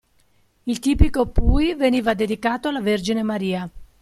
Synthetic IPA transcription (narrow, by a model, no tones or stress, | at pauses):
ilt̪iːpikopuːjveniːvad̪ed̪ikaːt̪oalaverd͡ʒinemaɾiːa